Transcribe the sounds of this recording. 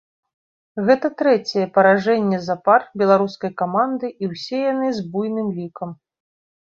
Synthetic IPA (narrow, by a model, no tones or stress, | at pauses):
ɣɛt̪ɐt̪ɾɛt͡sʲɛjɛpɐɾaʐɛnʲːɛzaparbʲɛlˠaɾuskɐjkamand̪ɨʔiwsʲɛjanɨzbujnɨmlʲikɐm